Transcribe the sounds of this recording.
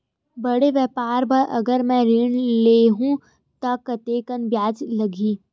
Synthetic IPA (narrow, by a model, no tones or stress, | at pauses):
bɐɽeʋjɛːpaːɾbɐɾʔɐ̰ɡəɾmɛ̃ɾɪɳleːɦũ | t̪ɐkɐt̪eːkənbjaːd͡ʒlɐɡʱiː